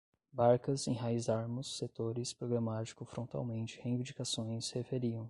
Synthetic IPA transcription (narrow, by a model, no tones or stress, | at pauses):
baɾkɐzẽj̃ɦaizaɾmʊsːet̪oɾɪspɾoɡɾamat͡ʃi̥kʊfɾõnt̪a̰wmẽnt͡ʃɪhẽj̃vĩnd͡ʒikasõj̃shefeɾiɐ̃w̃